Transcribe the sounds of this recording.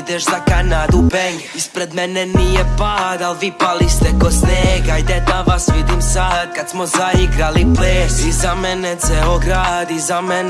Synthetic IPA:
d̪eʃzakanaːd̪upeɲeispɾed̪menenijepad̪alʋipalist̪ɛkosneɡajd̪ɛd̪aʋasʋid̪imsaːd̪̚kad̪̥smozaiɡɾalipleːsizamɛnet̪seoɡɾad̪izamɛn

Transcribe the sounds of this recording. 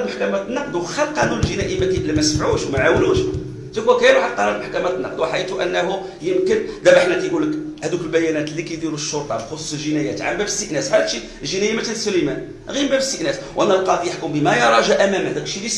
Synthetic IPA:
məħkæmæt̪nːɑqd̪wxælqɑnunəlʒənæʔimækiʔlːimæsfʕuʃwmæʕawluʃ | d̪ækwækæjæɾuħalqɑɾˤɑlməħkæmæt̪nːɑqd̪wħit̪uʔænːæɦu | jəmkənd̪æbaħnæt̪æjɡulːəkhæd̪ukəlbæjænæt̪likæjd̪iɾuʃːoɾt̪ˤɑbxosˤu̥səlʒənæjæt̪ʕa̰mbæbəst̪ːəʔnæsħæd̪ʃi | ʒənæjæmæt̪ænsːʊləjmæn | ɣimbæbəst̪ːəʔnæswʔænːælqɑd̪ijəħkumbəmæjɑɾˤɑʒæʔæmæmhæd̪ækʃilis

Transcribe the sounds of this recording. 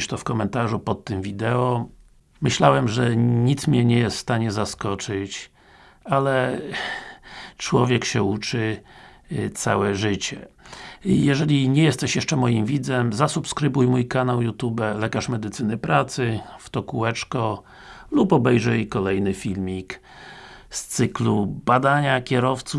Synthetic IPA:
ʂt̪ɔfkɔmɛnt̪aʐupɔt̪ːɘmvʲid̪ɛɔ | mɘɕlawɛmʐɛɲit̪smʲɲɛɲɛjɛst̪st̪aɲɛzaskɔt͡ʂɘt͡ɕ | alɛ | t͡ʂwɔvʲjɛkɕɛut͡ʂɘ | t̪sa̰wɛʐɘt͡ɕɛ | jɛʐɛlʲiɲɛjɛst̪ɛɕjɛʂt͡ʂɛmɔjimvʲid̪zɛmzasupskɾɘbujmujkanawjut̪ubɛlɛkaʂmɛd̪ɘt̪sɘnɘpɾat̪sɘft̪ɔkuɛt͡ʂkɔ | lupɔbɛjʐɛjkɔlɛjnɘfʲilmʲik | st̪sɘklubad̪aɲakʲɛɾɔft̪su

